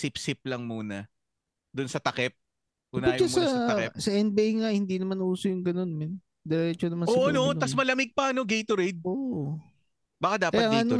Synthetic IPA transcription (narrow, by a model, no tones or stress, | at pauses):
sɪp̚sɪp̚lɐŋmuːnɐ | d̪ʊnsɐt̪ɐkɛp̚ | ʔʊnʊjt͡ʃɐsɐskɛsɐʔɛnd̪̚bejŋɐhɪnd̪inɐmanʔuːsojʊŋɡɐno̞nmɛn | d̪ɛɾɛːt͡ʃonɐmɐnsoʔonoʔnɐsmɐlɐmɪɡ̚paɐnoɡejt̪oɾejd̪̚oːʔ | bɐkad̪aːpkɐjɐtaːŋd̪iaɐno